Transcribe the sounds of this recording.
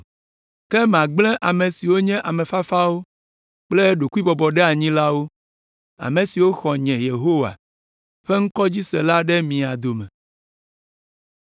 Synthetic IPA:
kɛ˦mã˨ɡ͡blɛ̃˦ʔa˨mẽ˨si˨wo˦ɲɛ̃˦ʔa˨mɛ̃˨fa˦fa˦wo˦ | k͡ple˦ɖo˨ku˦i˦bɔ˨bɔ˨ɖɛ˦a˨ɲĩ˦la˦wo˦ | a̰˨mẽ˨si˨wo˦xɔ˨ɲɛ̃˨je˨ɦo˦wa̰˨ | ɸe˦ŋ̩˦kɔ˦d͡ʑi˦sɛ˨la˦ɖɛ˦mĩ˨a˨d̪o˨mɛ̃˨

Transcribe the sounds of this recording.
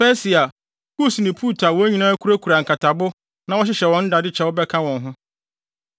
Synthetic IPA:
fɛ˦si˨a˨ | ku˦snĩ˨pʰu˦tʰa˨wɔ˨˦æ˦ɲĩ˨nã˦æ˦kʰu˦ɾa˦kʰu˨ɾa˨ŋ̩˨kʰa˨tʰa˨bʊ˦ | nã˨˦wɔ˦ɕ̬ɪ˦ɕɛ˨wɔ̃˦n̩˦da˨dɪ˦t͡ɕʰɛ˦wʊ˦bɛ˦kʰã˦wɔ̃˨nɦʊ̃˦

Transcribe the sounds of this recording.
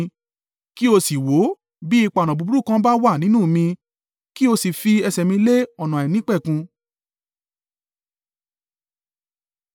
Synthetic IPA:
ki˦o˧si˨wo˨˦ | bi˦i˧k͡pa˨nã˨bu˧u˦ɾu˦˨kã˦ba˦wa˦˨nĩ˨˦nũ˦˨mĩ˧ | ki˦o˧si˨fi˧ɛ˧sɛ˨mĩ˧le˦ɔ˨nã˨a˨ɛ˨nĩ˨˦k͡pɛ˦˨kũ˧

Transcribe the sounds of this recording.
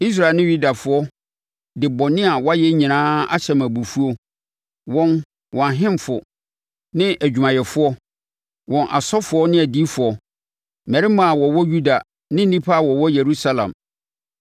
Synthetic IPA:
i˦s̬ɾa˦˨nɪ̃˦ju˦da˨fʊ˨˦ɔ˦ | dɪ˨bɔ˨nɪ̃˦a˨wa˦jɛ˦ɲĩ˨nãː˦a̰˦ɕɛ˦ma˨bu˨fu˦o˦ | wɔ̃˦n | wɔ̃˨ɦɪ̃˦mfʊ˨ | nɪ̃˦ʔæ˨d͡ʑᶣu˨mã˨jɛ˨fʊ˦ɔ˦ | wɔ̃˨nʔa̰˨sɔ˦fʊ˨˦ɔ˦nɪ̃˦æ˨di˦fʊ˨ɔ˨ | mɛ˨ɾɪ˦mã˨a˨wɔ˨wɔ˦ju˦da˨ | nɪ̃˦n̩˦nĩ˦pʰa˦˨wɔ˨wɔ˦je˨ɾu˦sa˦lã̰˨m

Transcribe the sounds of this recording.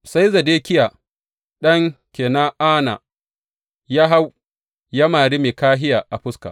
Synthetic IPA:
sa˦jzɐ˨deː˦kʲɪ˦ja˨ | ɗɐ˦ŋkʲeː˨na˦ʔaː˦na˨ | jaː˦ɦa˦w | ja˦maː˨ɽi˦meː˨kaː˦ɦɪ˦jaː˨ʔa˨ɸʊ˦ska̰˨

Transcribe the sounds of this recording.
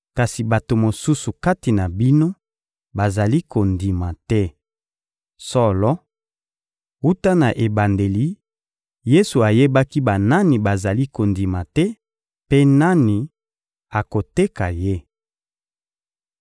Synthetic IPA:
ka˨si˨ba˨to˨mo˨su˦su˨ka˦ti˨na˨bi˦no˦ | ba˨za˨li˦ko˨ndi˨ma˨tɛ˦ | sɔ˦lɔ˦ | u˦ta˦na˨ʔe˨ba˨nde˨li˨ | je˦su˨a˨je˦ba˦ki˦ba˨na˦ni˨ba˨za˨li˦ko˨ndi˨ma˨tɛ˦ | pe˦na˦ni˨ | a˨ko˨te˦ka˨je˦

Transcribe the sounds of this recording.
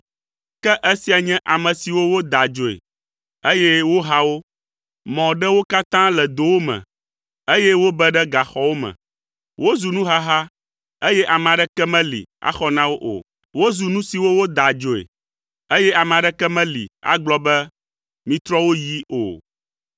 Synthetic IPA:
kɛ˦ʔe˦si˦a˨ɲɛ̃˦ʔa˨mɛ̃˨si˨wo˦wo˦d̪a˨d͡ʒo˨ḛ˨ | e˦jɛ˦wo˦ɦa˦wo˦ | mɔ̃˨ɖɛ˦wo˦ka˦t̪ã˦lɛ˨d̪o˨wo˦mɛ̰̃˨ | e˦jɛ˦wo˦bɛ˦ɖɛ˦ɡa˨xɔ˦wo˦mɛ̰̃˨ | wʔo˦zu˨nũ˦ɦa˦ɦa˦ | e˦jɛ˦ʔa˨mɛ̃˨a˨ɖɛ˦kɛ˦mɛ̃˦lḭ˨a̰˦xɔ˦nã˦wo˦ʔo̰˨ | wo˦zu˨nũ˦si˨wo˦wo˦d̪a˨d͡ʒo˨ḛ˨ | e˦jɛ˦a˨mɛ̃˨a˨ɖɛ˦kɛ˦mɛ̃˦lḭ˨a̰˦ɡ͡blɔ˦bɛ˦ | mĩ˨t̪ɾɔ˦wo˦ji˦o̰˨

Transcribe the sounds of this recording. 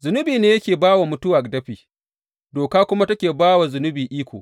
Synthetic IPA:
zʊ˨nʊ˦biː˨neː˦jɐ˦kʲeː˨baː˦wa˨mʊ˦tʊ˦wa˨kdɐ˦ɸiː˨ | doː˨kaː˦kʷʊ˦ma˦tɐ˦kʲeː˨baː˦wa˨zʊ˨nʊ˦biː˨ʔiː˦kʷo̰ː˨

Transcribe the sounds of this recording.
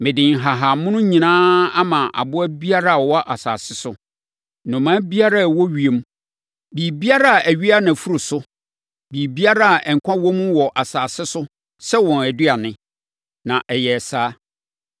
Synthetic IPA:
mɪ̃˨dɪ̃˨ŋ˨ɦa˨ɦa˨mʊ̃˦nʊ̃˦ɲĩ˨nãː˦a˦mã˨ʔa̰˨bʊ˦æ˦bi˦a˦ɾa˦˨wɔ˦a˦ʔa˨sa̰ː˨sɪ˦sʊ˦ | nʊ̃˨mã˦bi˦a˦ɾa˦˨wɔ˦ɥi˨e˨˦m˦ | bi˨bi˦a˦ɾa˦a˨ʔæ˨ɥi˦a˦nã˨fu˦ɾʊ˨sʊ˦ | biː˨bi˦a˦ɾa˦a˨ʔɛ˨ŋ̩˨kʷʰã˦wɔ˦mũ˦wɔ˨ʔa˨saː˨sɪ˦sʊ˦ | sɛ˦wɔ̃˨næ˨dɥa˨nɪ̃˦ | nã˨ʔɛ˨jɛ˨saː˦

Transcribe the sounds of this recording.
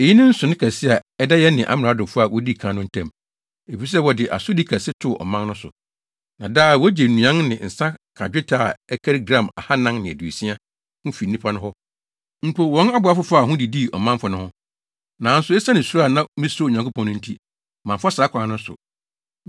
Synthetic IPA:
e˨ji˦nɪ̃˦n̩˦sʊ˨nɪ̃˦kʰa˨sɪ˦a˨ɛ˦da˦jɛ˦nɪ̃˨ʔa̰˦m˨ɾa˨˦dʊ̃˨fʊ˦a˨wɔ˦di˦˨kʰãː˨˦nʊ̃˦n̩˦tʰɛ̃˦˨m | e˨fi˨˦s̬ɛ˦wɔ˨dɪ˨ʔa̰˨sʊ˦di˦kʰæ˨sɪ˦tʰʊ˦˨ʔɔ̰˨mã˦n˦nʊ̃˦sʊ̰˨ | nã˨daː˦˨wɔ˦d͡ʑɛ˨nũ˨ã˦ŋnɪ̃˨n̩˨sã˦kʰa˨d͡ʑᶣe˦tʰaː˦˨ɛ˦kʰɛ˦ɾɡɾã˦˨ma˨ha˦nã˦ŋnɪ̃˨æ̰˨du˨e˨sĩ˦a˦ | kʊ̃˦fi˨nĩ˦pʰa˦nʊ̃˦ɦɔ˦ | m̩˦pʰo˦˨wɔ̃˨˦na˦bʊ˨˦a˦fʊ˦fa˦˨ɦʊ̃˦di˨di˦˨ɔ̰˨mã˦mfɔ˨nʊ̃˦hʊ̃˦ | nãː˨˦n̩˦sʊ˨˦ɛ˦sa˦nɪ̃˨su˦ɾa˦˨nã˦mĩ˦so˦˨ɲã˨kʰo˦pʰɔ̃˦nʊ̃˦n̩˦tʰi˦˨ | mã˨mfsa˨˦kʰʷã˨˦nʊ̃˦sʊ̰˨

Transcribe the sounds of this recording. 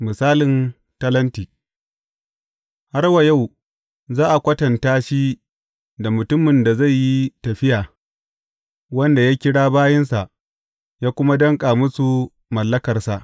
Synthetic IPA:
mɪ˨saː˦lɪ˨n | tɐ˦lɐ˦ntiː˨ | ha˦rwa˨ja˦˨w | zaː˦ʔa˨kʷɐ˦tɐ˨ntaː˦ʃi˦ | da˨mʊ˨tʊ˦mːɪ˨nda˨za˦˨jːi˦tɐ˨ɸɪ˦jaː˨ | wɐ˦nda˨jaː˦kʲɪ˦ɽaː˦baː˦jɐ˦nsa˨ʔ | jaː˦kʷʊ˦ma˦dɐ˦ŋkʼaː˨mʊ˦su˨ | mɐ˨lːɐ˦kɐ˨rsa˨ʔ

